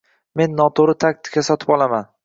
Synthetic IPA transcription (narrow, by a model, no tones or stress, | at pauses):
me̞nːɒt̪ʰoɾɪt̪ʰak̚ʲt̪ʰɪ̥kʲʰasɒt̪ʰɪpɒlˠaman